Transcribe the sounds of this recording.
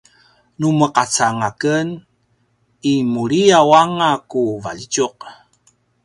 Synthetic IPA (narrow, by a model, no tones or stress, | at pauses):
numəqat͡saŋakən | imuɾiawaŋakuva̰ʎit͡ʃuq̚